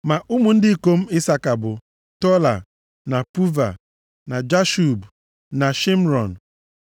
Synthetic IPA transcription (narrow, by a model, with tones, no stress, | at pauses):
ma˨ʔu˦mu˨n̩˦dɪ˦˨ko˦m̩˦ɪ˦sa˦ka˨bʊ˨ | tɔ˦la̰˨ | na˨pu˦va̰˨ | na˨d͡ʒa˦ʃu˨b | na˨ʃi˦m̩˦ɾɔ˨n̩˨